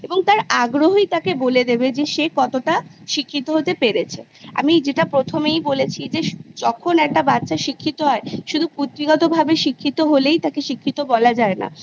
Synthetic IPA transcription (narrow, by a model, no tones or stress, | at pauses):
eboŋt̪aɾaɡɾoɦoit̪akeboled̪ebed͡ʑeʃekɔt̪oʈaʃikʰːit̪oɦot̪epeɾet͡ɕʰe | a̰mid͡ʑeʈapɾot̪ʰomejbolet͡ɕʰid͡ʑeʃd͡ʑɔkʰonɛk̚ʈabat̪ːʃaʃikʰːit̪oɦɔeʃud̪ʱuput̪ːɾiɡɔt̪obʱabeʃikʰːit̪oɦolejt̪akeʃikʰːit̪obɔlad͡ʑaena̰